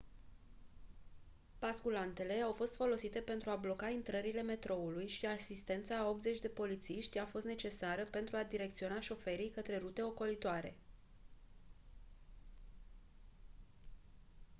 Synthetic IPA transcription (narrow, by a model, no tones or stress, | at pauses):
b̥askulant̪e̞le̞awfo̞st̪fo̞lo̞sit̪e̞pe̞nt̪ɾuablo̞kaint̪ɾəɾile̞me̞t̪ɾo̞ulujʃiasist̪e̞nt̪saːo̞p̚t̪zet͡ʃʲd̪e̞po̞lit̪siʃt̪ʲafo̞st̪ne̞t͡ʃe̞saɾəpe̞nt̪ɾuad̪iɾe̞kt̪sio̞naʃo̞fe̞ɾijkət̪ɾe̞ɾut̪e̞o̞ko̞lit̪oaɾe̞̰